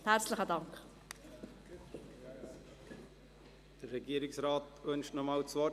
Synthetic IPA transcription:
t̪ʰæːrslə̆χət̪aŋk | d̪̥əɾːɛɡiːəɾiksɾaːt̪ʋœnʃtnɔmɑːlt͡sʋɔ

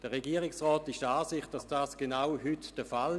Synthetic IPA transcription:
d̥əʁeɡiːəʁɪksʁɔːtɪʃdaːsɪχtd̥asd̥aːsɡ̥enawɦytd̥əfal

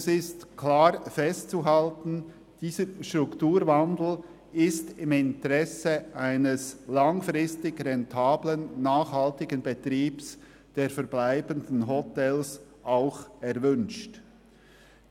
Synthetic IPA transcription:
sɪstkʰlaːɾfɛstt͡suɦaltn̩ | d̥iːzəɾʃtʁ̥ʊktuːɾvandl̩ | ɪstɪmɪntəʁɛseʔaɪnəslaŋfʁɪstɪɡɾɛntʰaːblənːaːχhaltɪɡənbɛtʁiːps | d̥eːɾfɛɾblaɪbəndn̩ɦɔtɛls | ʔaʊxɛʁvʏnʃt

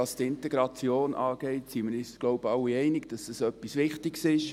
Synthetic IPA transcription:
ɑstɪnteɡ̥ɾɑt͡sjoːnʔɑːɡ̥ɛɪtsimɪɾisɡ̥loʊbəɑwiɛɪnɪɡd̥ɑsəsœpːisʋɪχtɪɡsɪʃ

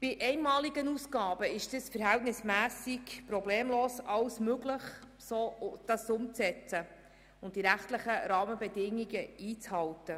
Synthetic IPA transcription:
b̥ɪʔɛɪnmɑːliɡənuːsɡɑːbəɪʃd̥əsfəɾɦɛltnɪsmæːsɪkpɾɔbleːmloːsɑwsmøɡləχ | soːd̥ɑsʊmt͡sɛt͡sə | ʊnt̚d̥iɾæχtləχəɾɑːməbɛdɪŋːiɡəiːt͡shɑltə

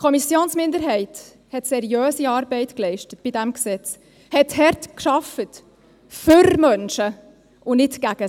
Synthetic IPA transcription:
kʰɔmisjoːnsmɪndəɾɦɛɪt | hɛtsɛɾiœːsiɑːɾbɛɪtklɛɪʃtətb̥idɛmksɛt͡s | hɛthɛɾtkʃɑfət | fʏɾmœnʃə | ʊnɪtɡ̥æɡ̥ə

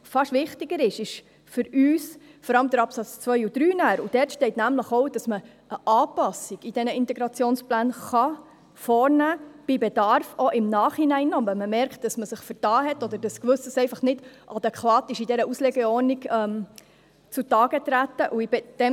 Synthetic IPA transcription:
fɑʃʋɪχtɪɡəɾɪʃɪʃ | fʏɾyːsfɔɾɑləmdəɾɑpsɑt͡st͡sʋœʏud̥ɾyːnæːɾud̥ɛrtʃtɛɪtnæmləχɔʊd̥ɑsmə | ʔəʔɑːpɑsiɡ̥id̥ɛnəɪnt̪ɛɡɾɑt͡sjoːnsplæːnχɑ | fɔːɾnæːb̥ibɛdɑrfoʔɪmnɑːχhinæɪnːɔvɛməmɛɾkt̚d̥ɑsməsɪχfəɾtɑːɦɛtɔd̪əd̥ɑskʋɵsəsɛɪfɑχnɪd̥ʔɑd̥̪ɛkʰʋɑːtɪʃidɛɾəuslɛɡɛɔɾniɡɛm | t͡sutɑːɡ̥ət̪ɾæt̪ːəʔuibɛd̥ɛ

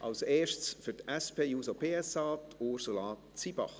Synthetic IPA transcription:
ʔɑlseːʃt͡sfyɾtɛspeːjuːsopʰeːɛsɑːtʰoɾsolɑː | t͡sibɑ̰χ

